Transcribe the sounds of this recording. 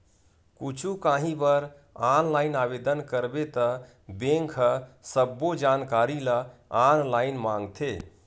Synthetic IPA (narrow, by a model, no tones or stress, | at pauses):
kut͡ʃʰukãɦĩbəɾ | anlainabed̪ənkəɾbet̪ə | bẽŋkʰəsəbːod͡ʒankaɾiləanlainmãŋɡt̪ʰe